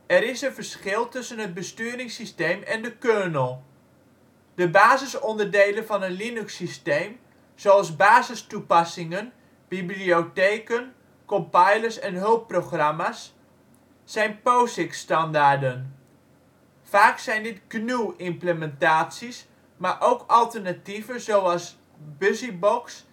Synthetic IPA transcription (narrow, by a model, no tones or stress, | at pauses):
ɛɾɪsənvərsχɪlˠtʏsənɦəd̚bəstyːɾɪŋsistejmɛndəkøɹnəlˠ | dəbaːzəsɔndərdejlənvɑnənlinʉksistejm | z̥oɑlˠzbaːzəstupɑsɪŋən | b̥iblioteːkən | kɔmpɑjləɹsɛnɦɵlˠpːroχrɑmasː | ɛjnpowsɪkstɑndaːɹdən | faːksɛjndɪtɡnuɪmpləmɛntaːtsis | maːɹʔowkɑlˠtəɹnativənzowɑlˠs | bʏzibɔks